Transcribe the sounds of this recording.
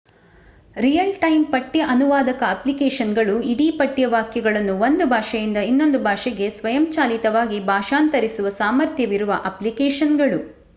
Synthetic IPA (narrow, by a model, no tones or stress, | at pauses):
ɾijɐlʈɐjmpɐʈːjɐʔɐnuʋaːd̪ɐkɐɐplikeːʂɐnɡɐɭuiɽiːpɐʈːjɐʋaːkjɐɡɐɭɐnːuond̪ubʱaːʃɐjind̪ɐinːo̞nd̪ubʱaːʃɛɡe̞sʋɐjɐmt͡ʃaːlit̪ɐʋaːɡibʱaːʃaːnt̪ɐɾisuʋɐsaːmɐɾt̪ʰjɐʋiɾuʋɐ̰ʔɐplikɛːʃɐnɡɐɭu